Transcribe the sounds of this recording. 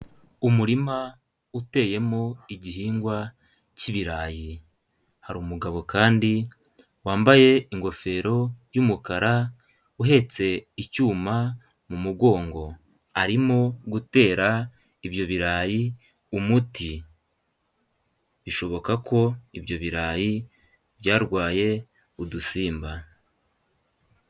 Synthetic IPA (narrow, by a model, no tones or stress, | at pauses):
umuɾima | ute̞ːje̞mo̞iɟihiːŋɡwa | ciβiɾaːji | haɾuːmuɡaβo̞kaːndi | waːmbaje̞iŋɡo̞fe̞ɾo̞jumukaɾa | uɦe̞t͡se̞icuːma | mumuɡo̞ːŋɡo̞ | aɾimo̞ɡute̞ːɾa | iβjo̞βiɾaːji | umuti | βiʃo̞βo̞kakʰo̞iβjo̞βiɾaːji | βjaːɾɡwaːje̞ | udusiːmba